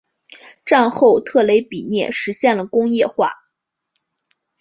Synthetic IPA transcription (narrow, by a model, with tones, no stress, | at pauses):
ʈ͡ʂa˥˧nxo˥˧ʊt̪ʰɤ˥˩le˧˥ɪpi˨˩njɛ̰˥˩ʂɻ̩˧˥ɕjɛ˥˩nlə˩kʊ˥ŋjɛ˥˧xwa̰˥˩